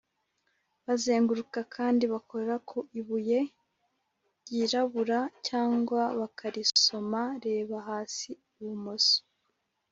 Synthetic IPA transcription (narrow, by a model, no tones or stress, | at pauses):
βaze̞ːŋɡuɾukakʰaːndiβako̞ɾe̞ɾakʰoʔiβuje̞ | jiɾaβuɾacaːŋɡwaβakaɾiso̞maɾe̞ːβaɦaːsi | uβumoso̥